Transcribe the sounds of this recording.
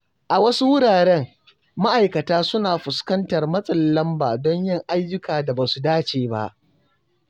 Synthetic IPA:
ʔa˨wɐ˦su˦wʊ˦ɽaː˨ɽɛ˦ŋ | ma˦ʔa˨jkɐ˨taː˦sʊ˦naː˨ɸʊ˨skɐ˦ntɐ˨rmɐ˦sʼɐ˨llɐ˦mbaː˨dɔ˦ɲjɪ˦˨ŋʔa˦jːʊ˦kaː˨da˨baː˨su˨daː˦t͡ʃeː˨ba̰˦ʔ

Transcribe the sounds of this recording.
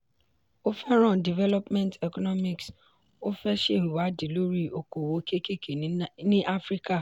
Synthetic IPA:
o˦fɛ˦ɾɔ̃˦˨di˨vɛ˦lɔ˦pmɛ̃˦ntɛ˨kɔ˦nɔ˦mi˨ks | o˦fɛ˦ʃe˦˨ɾu˨wa˨˦di˨lo˦ɾi˦o˨ko˨wo˨˦ke˦ke˦kʰe˨nĩ˦ʔa˦fɾi˦ka˦˨

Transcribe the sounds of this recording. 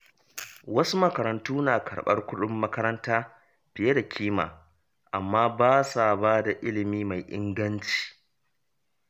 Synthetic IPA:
wɐ˦su˦mɐ˦kɐ˨ɾɐ˨ntuː˦naː˨kʰɐ̰˨ɽɓɐ̰˦rkʷʊ˦ɗʊ˦mːɐ˦kɐ˦ɾɐ˦ntaː˦ | ɸɪ˨je˦da˨kʲʰiː˦ma̰ː˨ | ʔa˨mːaː˦baː˦sa˨baː˦da˨ʔɪ˦lɪ˨miː˦ma˨jʔɪ̰˦ŋɡɐ˦nt͡ʃi̥ː˨

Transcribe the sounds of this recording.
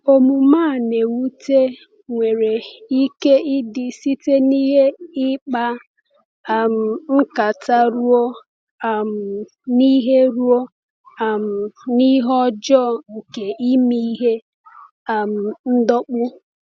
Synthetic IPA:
o˨mu˨maː˦˨ne˨wu˦te˦ | ŋʷe˨ɾe˨i˦ke˦ʔɪ˦dɪ˨si˦te˦ni˦ɦe˦ɪ˦k͡pa˦˨ | m̩˨m̩˦ka˨ta˦ɾu˦o˦˨ | m̩˨ | ni˦ɦe˦ɾu˦o˦ | a˨m̩˨ni˦ɦɔ˦d͡ʒɔ˦ŋ̩˨ke˨ʔi˦mi˦i˦ɦe˦ | a˨m̩˨n̩˦dɔ˦k͡pʊ˦

